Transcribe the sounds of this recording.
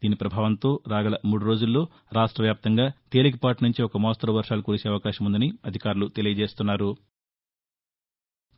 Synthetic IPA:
d̪̥iːnipɾɐbʱaːʋɐnt̪o̞ːɾaːɡɐlɐmuːɽuɾo̞ːd͡ʒulːo̞ː | ɾaːʂʈɾɐʋjaːp̚t̪ɐŋɡaːt̪e̞ːlik̬ipaːʈnuɲt͡ʃiɔkɐmɔːst̪ɐɾɐʋɐɾʂaːlukuɾit͡ʃe̞ːɐʋɐkaːʃɐmund̪ɐniɐd̪ʱikaːɾulut̪e̞lijɐd͡ʒe̞ːst̪unːaːɾu

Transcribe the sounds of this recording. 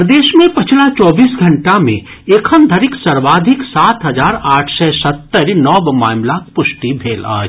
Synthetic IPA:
əd̪eːʃmẽpɐt͡ʃʰlat͡ʃɔːbiːsɡʱɐ̃ɳʈamḛ̃ | eːkʰəmd̪ʱəɾɪksəɾʋaːd̪ʱɪksaːt̪ɦɐd͡ʒaːɾaːʈʰsɛsət̪ːəɾnɔːbmaːmlak̚pʊsʈibʱeːla̰ːd͡ʒ

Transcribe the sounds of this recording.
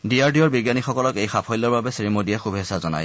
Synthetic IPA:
diaɹdiɔɹbiɡjanixɔkɔlɔkejxapʰɔjlɔɹbabɛsɹimodiɛxubʱesazɔna̰j

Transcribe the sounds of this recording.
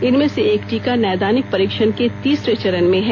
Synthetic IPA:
ɪnmẽseeːkʈiːkanɛːd̪aːnɪk̚pɐɾiːkʃənket̪iːsɾet͡ʃɐɾənmẽɦɛː

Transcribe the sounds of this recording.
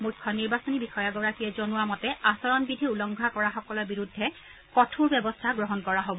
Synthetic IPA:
mukʰːɔniɹbasɔnibixɔjaɡɔɹakijɛzɔnʊwamɔtɛasɔɹɔnbidʱiulɔŋɡʱakɔɹaxɔkɔlɔbiɹudʱːɛ | kɔtʰuɹbɛbɔstʰaɡɹɔɦɔnkɔɹaɦobɔ

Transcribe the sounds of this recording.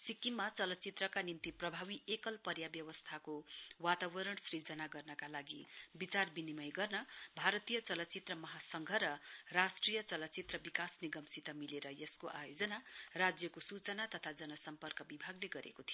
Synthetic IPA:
sikimat͡sʌlʌt͡sit̪rʌkanint̪iprʌbʱaβiekʌlpʌrjabjʌwʌst̪ʰakowat̪abʌɾʌɳsrid͡zʌnaɡʌrnʌkalaɡibit͡sarbinimʌjɡʌrnʌbʱaɾʌt̪ijʌt͡sʌlʌt͡sit̪rʌmʌɦasʌŋɡʱʌɾʌrasʈrijʌt͡sʌlʌt͡sit̪rʌbikasniɡʌmsit̪ʌmileɾʌjʌskoʔajod͡zʌnarad͡zjʌkosut͡sʌnat̪ʌt̪ʰad͡zʌnʌsʌmpʌrkʌbibʱaɡleɡʌɾʔḛkot̪ʰijo

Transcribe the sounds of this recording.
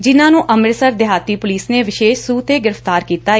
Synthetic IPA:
d͡ʒɪnãːnũːʔəmɪɾsəɾd̪ɪɦaːt̪iːpʊliːsneːʋɪʃeːʃsuːt̪eːɡɪɾəft̪aːɾkiːt̪aː

